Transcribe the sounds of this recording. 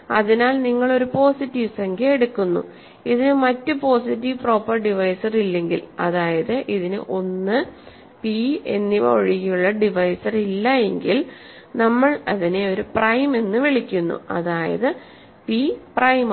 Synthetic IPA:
ɐðinaːlniŋːɐɭo̞ɾupo̞ːsitːiʋseŋɡeeɽukːunːṵ | iðinɨmɐtːɨpo̞ːs̬itːiʋpro̞ːpːɐrɖiʋɐjsɐrilːe̞ŋɡḭlɐ̰ðaːjɐðɨʔiðinɨ̰ʔo̞nːɨ | pie̞nːipo̰ɻiɣijuɭːɐɖiʋɐjsɐrilːɐje̞ŋɡil | nɐmːɐɭɐðine̞o̞ɾuprɐjme̞nːɨʋiɭikʲːunːṵɐ̰ðaːjɐ̰ðɨ | piprɐjm

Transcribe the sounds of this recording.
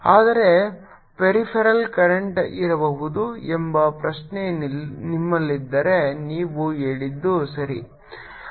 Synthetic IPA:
aːd̪ɐɾe̞ | peɾipʰɐɾɐlkɐɾeɳʈiɾɐbɐɦud̪uembɐpɾɐʃnenimːɐlːid̪ːɐɾe̞niːʋueːɭid̪ːusɐɾḭ

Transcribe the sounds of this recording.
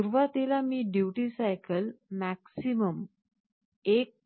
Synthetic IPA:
uɾʋat̪ilamiːɖjuʈisajkəlmæksiməm | ek̚

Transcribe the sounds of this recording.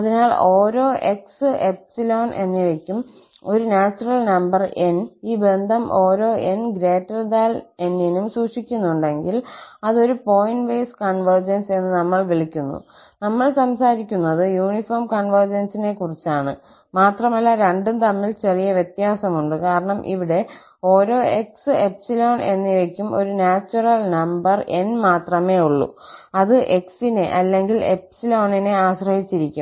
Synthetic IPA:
ɐðinaːɭo̞ːɾo̞ːʔe̞ksɨʔeksilo̞ːnʔe̞̰nːiʋekʲːum | o̞ɾunaːt͡ɕːurɐlnɐmbɐreniːbend̪ʱɐmʔo̞ːɾo̞ːʔenɡɾe̞ːtːɐrd̪aːle̞nːinumsuːʂikʲːunːuɳɖe̞ŋɡilɐðo̞ɾupo̞jnʋejskɐɳʋɐrd͡ʑɐnse̞nːɨnɐmːɐɭʋiɭikʲːunːṵ | nɐmːɐɭsɐmsaːɾikʲːunːɐðɨjuːɳifoːrmkɐɳʋɐrd͡ʑɐnsine̞kurit͡ɕːaːɳɨ | maːt̪rɐmɐlːaɾe̞ɳɖumt̪ɐmːilt͡ɕerijɐʋje̞t̪jaːsɐmuɳɖɨkaːɾɐɳɐmʔḭʋiɽe̞ | o̞ːɾo̞ːe̞ksɨepsilo̞ːɳe̞̰nːiʋɐkʲːumʔo̞̰ɾunaːt͡ɕːurɐlnɐmbɐre̞nmaːt̪rɐme̞ːuɭːṵɐðɨʔe̞ksineʔɐlːe̞ŋɡile̞̰psilo̞ːɳineaːɕrɐhit͡ɕːiɾikʲːum

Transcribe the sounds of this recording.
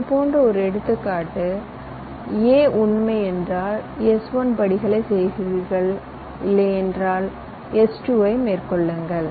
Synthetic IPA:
ɐðɯpoːndrɐɔɾɯɛɽɯt̪ːɯkːaːʈːɯ | eːʔʊnmɐɪɛndraːlɛsʋɐnpɐɽɪɣɐɭɐɪsɛjɣɪɾɣɐɭ | ɪlːɐɪɛndraːl | ɛsʈuʋɐɪmeːrkɔɭːɯŋɡɐɭ

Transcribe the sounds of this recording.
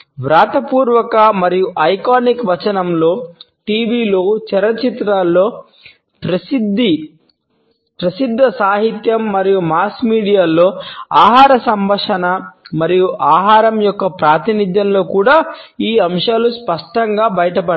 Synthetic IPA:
ʋɾaːt̪ɐpuːɾʋɐkɐmɐɾijuʔɐjkaːnikʋɐt͡ʃɐnɐmlo̞ː | ʈiːʋiːlo̞ːt͡ʃɛɾɐt͡ʃit̪ɾaːlːo̞ː | pɾɐsid̪ːi | pɾɐsid̪ʱːɐsaːɦit̪jɐmːɐɾijumaːskmiːɽijaːlːo̞ːaːɦaːɾɐsɐmbɐʂɐnɐmɐɾijuʔaːɦaːɾɐmjɔkːɐpɾaːt̪inid̪jɐnlo̞ːkuːɽaːiːɐmʂaːluspɐʂʈɐŋɡaːbɐjɐʈɐp̬ɐ

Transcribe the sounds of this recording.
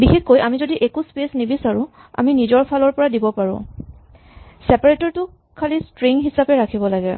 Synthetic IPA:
bixekːojʔamizodiʔekuspesnibisaɹũ | a̰minizɔɹpʰalɔɹpɔɹadibɔpaɹʊ̰̃ | sɛpaɹetɔɹtʊ | kʰalistɹiŋɦisapɛɹakʰibɔlaɡɛ

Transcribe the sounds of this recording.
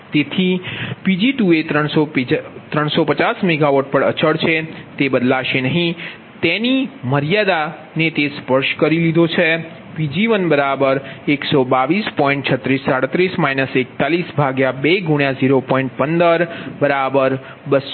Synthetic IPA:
t̪et̪ʰipid͡ʒiʈuet̪ɾəɳ̃sot̪ɾəɳ̃sopət͡ʃasmeɡaʋoʈ̚pəɽə̰t͡ʃəɽt͡ʃʰet̪ebəd̪laʃenəɦĩ | t̪eniməɾijad̪a | net̪espəɾʃkəɾilid̪ʱot͡ʃʰe | pid͡ʒiʋənbəɾabəɾeksobaʋispɔ̃ĩɳʈ̚t͡ʃʰət̪ːɾisːaɽət̪ɾismainəsek̚t̪alisbʱaɡjabeɡuɳjaziɾopɔ̃iɳʈ̚pənd̪əɾbəɾabəɾ | bəs

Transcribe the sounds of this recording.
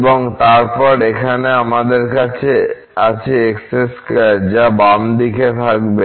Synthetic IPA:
boŋt̪aɾpɔɾekʰaneamad̪eɾkat͡ɕʰe | at͡ɕeeksɾeskd͡ʑabamd̪iket̪ʰakbe

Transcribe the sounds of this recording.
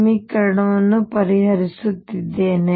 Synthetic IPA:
mikɐɾɐɽɐʋɐnːupɐɾiɦɐɾisut̪ːid̪ːeːne

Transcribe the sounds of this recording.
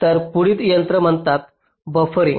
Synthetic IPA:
t̪əɾpuɽiːt̪jənt̪ɾəm̤əɳt̪at̪ | bəfɾḭ̃

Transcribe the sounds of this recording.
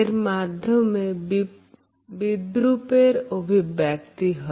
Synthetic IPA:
eɾmaːd̪ʱjəmmẽ | bɪd̪ɾupeɾobʱibjɛːkt̪iɦɔ

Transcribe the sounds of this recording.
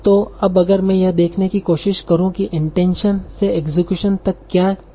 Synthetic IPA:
t̪oɐbɐɡəɾmɛ̃ːjɐd̪eːkʰnekikoːʃɪʃkɐɾũkiʔɪ̃ɳʈɛ̃ːnʃənseeːkzɪkjuːʃənt̪ɐkːjaː

